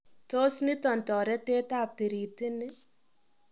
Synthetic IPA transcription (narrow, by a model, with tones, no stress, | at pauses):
to˦snɪ˦tɔ˨n̩˨tɔ˨ɾɛ˦te˦ta˦˨p̚te˨ɾi˨te˦nɪ˦